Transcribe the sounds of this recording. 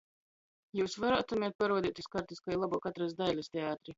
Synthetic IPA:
juːsvaɾaːt̪umʲɛt̪̚paɾuɔd̪iːt̪ʲuskaɾt̪iskajilˠabuːkat̪ɾasd̪ajlʲast̪ʲeaːt̪ɾi

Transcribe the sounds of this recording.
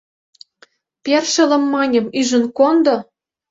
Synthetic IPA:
pʲerʃə̆lə̆mːɑnʲɤ̆myʒə̆nkond̪ɤ̆

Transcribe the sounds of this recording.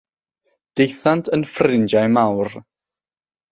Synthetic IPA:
d̥ejθantʰənfrɪnd͡ʒajmawr

